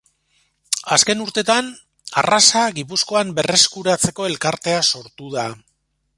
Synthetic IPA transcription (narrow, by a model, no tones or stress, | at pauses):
aske̞nuɾt̪e̞t̪an | a̰rasaɣipusko̞ambe̞re̞skuɾat͡se̞ko̞e̞lkaɾt̪e̞aso̞ɾt̪uða